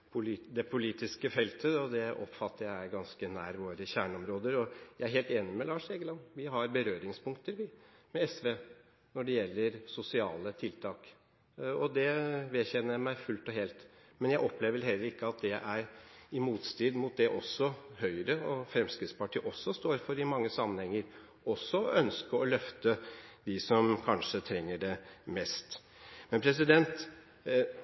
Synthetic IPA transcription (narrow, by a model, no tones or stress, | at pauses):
pʰʊlːd̪ɛpʰʊliːt̪ɪskəfɛlt̪ʰəɔd̪ɛʔɔ̰pfɑt̪ʰːəɾjæɪæɾɡɑnskənæːɾʋoːɾəçæːɳɔmɾoːd̪əɾɔjæɪæɾɦeːlt̪eːnɪmɛlɑːʂeːɡəlɑnːʋɪɦɑɾbəɾøːɾɪŋspʊŋkt̪əɾʋɪmɛɛsʋeː | nɔɖɛjɛlːəɾsʊsɪɑ̰ːlət̪ʰɪlt̪ʰɑːk | ɔd̪ɛʋeɛçɛnəɾmæɪfʉlt̪ɔɦɛːlt̪ | mɛnjæɪʔɔpleːʋəɛlɦɛlːəɾɪkːəɑt̪̚d̪ɛʔæɾɪmuːt̪st̪iːd̪mʊt̪̚d̪ɛʔɔsːɔhœʏɾəɔfɾɛmskɾɪt̪spɑʈʰiːʔɔsːɔst̪oːɾfɔɾɪmɑŋːəsɑmːənhɛŋːəɾ | ɔsːɔʔœnskəɾɔlœft̪əd̪ɪsɔmkʰɑnʂət̪ʰɾɛŋːəɖɛmɛst̪ | mɛnpʰɾɛs̬ɪd̪ɛnt̪